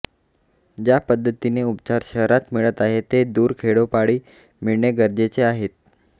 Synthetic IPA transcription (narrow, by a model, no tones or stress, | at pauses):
d͡ʑjapəd̪ʱːət̪ineupt͡ɕaɾɕəɦɾat̪miɭət̪aɦet̪ed̪uːɾkʰeɽopaɽiː | miɭɳeɡəɾd͡ʑet͡seaɦet̪̚